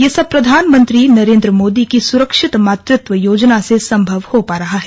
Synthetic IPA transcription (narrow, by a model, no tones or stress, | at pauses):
jeːsɐb̚pɾɐd̪ʱaːnmə̃nt̪ɾinɐɾẽːnd̪ɾəmoːd̪ikisʊɾəkʃɪt̪maːt̪ɾɪt̪ʋəjoːd͡ʒnasesɐ̃mbʱɐʋhopaːɾɐɦaɦɛ